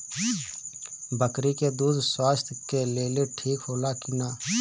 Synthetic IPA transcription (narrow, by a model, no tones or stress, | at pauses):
bʱəkɾikeːd̪uːd̪swaːst̪ʰkeːleːleːʈʰiːkɦoːlaːkɪnaː